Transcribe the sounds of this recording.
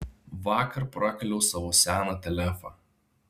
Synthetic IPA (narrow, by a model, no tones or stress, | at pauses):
ʋɑːkɐɾpɾɑkɐlʲɛʊsɑːʋoːsʲæːnɑt̪ʲɛlʲæfɑ